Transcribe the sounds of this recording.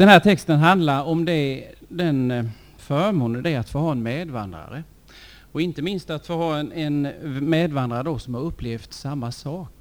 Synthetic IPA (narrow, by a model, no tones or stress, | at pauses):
d̪̥ɛnɦæːʈʰɛkst̪ənɦand̪laɾɔmd̪ɛd̪ɛn | fœɾmuːnəd̪ɛæɾat̪foːhɑːɛnmeːd̪va̰nd̪ɾa̰ɾə | ɔɪnt̪əmɪnst̪at̪foːhɑːɛnɛnmeːd̪vand̪ɾaɾəd̪ɔsɔmhaɾɵpːleːft̪samːasɑːk